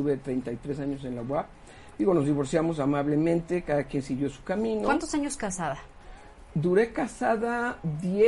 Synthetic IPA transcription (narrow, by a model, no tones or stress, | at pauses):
t̪uβet̪ɾe̞jnt̪ajt̪ɾe̞s̬aɲo̞s̬e̞nlawa | d̪iɣo̞no̞zðiβo̞ɾsjamo̞s̬amaβle̞mẽnt̪e̞kaðakje̞nsiɣjo̞su̥kamĩnoant̪osaɲoskasaða | d̪uɾe̞kasaðaðje